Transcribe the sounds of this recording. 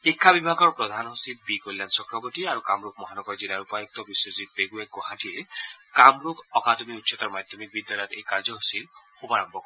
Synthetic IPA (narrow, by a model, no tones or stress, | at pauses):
ikʰːabibʱaɡɔɾpɾɔd̪ʱanɔɦosil̚bikojlːansɔkɾɔboʈiaɾukamɾuk̚mɔɦanɔbɔɾd͡ʒilaɾupajɔk̚t̪ɔbisozit̪̚eɡuekoɦãʈʰilkamɾukɔkad̪ɔmiutːʃʰɔt̪ɔɾmad̪ʱjɔmik̚bid̪jalɔjt̪ejkaɾd͡ʒɔɦosilxubaɾɔmbʱɔkɔɾ